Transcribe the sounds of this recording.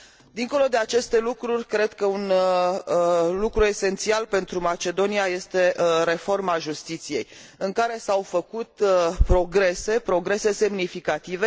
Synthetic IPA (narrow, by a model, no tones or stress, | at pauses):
d̪iŋko̞lo̞d̪e̞at͡ʃe̞st̪e̞lukɾurʲkɾe̞d̪kəun | lukɾue̞se̞nt̪sialpe̞nt̪ɾumat͡ʃe̞d̪o̞niaje̞st̪e̞ɾe̞fo̞rmaʒust̪it̪sije̞̰jɨŋkaɾe̞sawfəkut̪pɾo̞ɡɾe̞se̞pɾo̞ɡɾe̞se̞se̞mnifikat̪ive̞